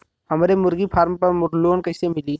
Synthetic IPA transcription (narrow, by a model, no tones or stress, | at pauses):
ɦɐmːɾemʊɾɡipʰaːɾmpɐɾmʊʈloːnkɐɪsemɪliː